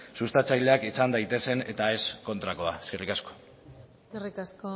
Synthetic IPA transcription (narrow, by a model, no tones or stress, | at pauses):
sust̪at͡sajle̞akisand̪ajt̪e̞se̞ne̞̰t̪ae̞sko̞nt̪ɾako̞aeskerikasko̥ | skerikasko